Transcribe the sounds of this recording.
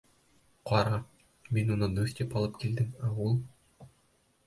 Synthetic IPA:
qʰɒɾɑ | minunɤd̪ɵst̪epɑlˠɤp̚kild̪ɘmæulˠ

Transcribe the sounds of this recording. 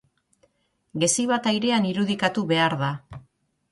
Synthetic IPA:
ɡe̞siβat̪ajɾe̞aniɾuð̞ikat̪uβe̞aɾða

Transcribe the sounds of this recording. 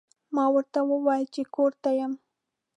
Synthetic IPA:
mɑwəɾt̪awəwɑjəlt͡ʃekoɾt̪ajəm

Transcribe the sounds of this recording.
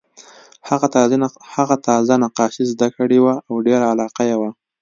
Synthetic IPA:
haɣahaɣat̪ɑzanaqɑʃizd̪akəɽewaawɖeɾaːlɑqajewa

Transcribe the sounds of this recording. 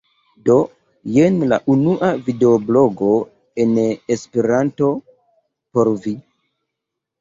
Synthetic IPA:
do̞ | jenla̰ʔunuʔavide̞oblo̞ɡo̞ | enespeɾanto̞ | po̞ɾvi

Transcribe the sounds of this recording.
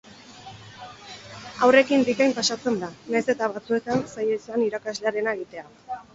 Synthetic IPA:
awre̞kinb̪ikajmpasat͡se̞nd̪anajse̞t̪aβat͡sue̞t̪ansajeisaniɾakazleaɾe̞naeɣit̪e̞a

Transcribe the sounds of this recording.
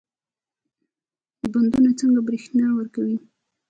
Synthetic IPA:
əband̪unat͡səŋɡabɾixnɑwəɾkawi

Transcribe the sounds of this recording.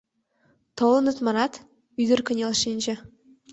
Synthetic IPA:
t̪ʰolˠɤ̆nə̆t̪mɑɾɑt̪ | yd̪ɘɾkʲɵ̆nʲelˠʃinʲʒe

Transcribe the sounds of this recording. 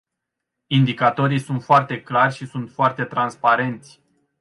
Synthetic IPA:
ind̪ikat̪o̞ɾijsunt̪foart̪e̞klarʲʃisunt̪foart̪e̞t̪ɾanspaɾe̞nt̪sʲ

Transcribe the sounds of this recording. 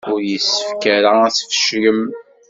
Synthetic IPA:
ʊɾjəsːə̥fkæɾaæθə̥fə̥ʃɡəm

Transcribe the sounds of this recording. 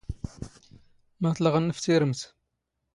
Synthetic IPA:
mæθləʁənːəft̪iɾəmt̪

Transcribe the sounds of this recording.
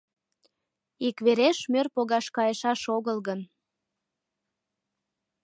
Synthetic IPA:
ikβeɾeʃmørpoɣɑʃkɑjeʃɑʃoɣəlɣən

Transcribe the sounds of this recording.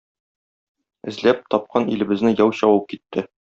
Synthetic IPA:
ɘ̆zlæp̚t̪ɒp̚qɑnilɘ̆bɘ̆znɘjɒwɕɒwɤp̚kit̪ːɘ

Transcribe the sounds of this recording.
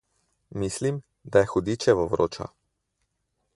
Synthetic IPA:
miːslim | d̪ajɛxɔd̪it͡ʃɛʋɔvɾo̰ːt͡ʃa̰

